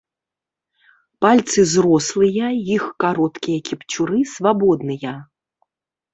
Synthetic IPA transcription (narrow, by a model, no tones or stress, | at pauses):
palʲt̪sɨzrɔslˠɨjɐjixkaɾɔt̪kʲijɐkʲipt͡sʲuɾɨsvabɔd̪nɨjɐ